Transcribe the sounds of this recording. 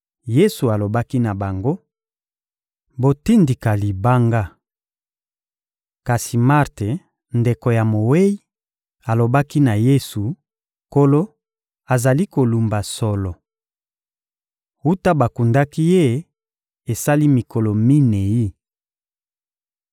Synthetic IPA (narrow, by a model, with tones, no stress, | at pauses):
je˦su˨a˨lo˨ba˦ki˦na˨ba˨ŋɡo˦ | bo˨ti˦ndi˨ka˨li˨ba˦ŋɡa˦ | ka˨si˨ma˦ʁte˨ | nde˨ko˨ja˨mo˨we˦i˦ | a˨lo˨ba˦ki˦na˨je˦su˨ | ko˦lo˦ | a˨za˨li˦ko˨lu˨mba˨sɔ˨lɔ˨ | u˦ta˦ba˨ku˨nda˦ki˦je˦ | e˨sa˦li˦mi˨ko˨lɔ˨mi˦ne˨ji˦